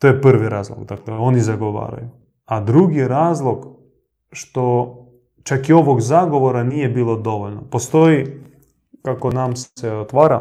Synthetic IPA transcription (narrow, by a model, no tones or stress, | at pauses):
t̪ojeprʋiɾaːzlˠo̰ɡd̪akleo̞nizaɡoʋa̰ːɾa̰ju | ad̪ɾuɡiɾaːzlˠoɡ | ʃt̪o | t͡ʃakio̞ʋoɡzaɡo̞ʋoɾanijebiːlˠo̞d̪o̞ʋoʎʲnopost̪oi | kakonamseot̪ʋaːɾa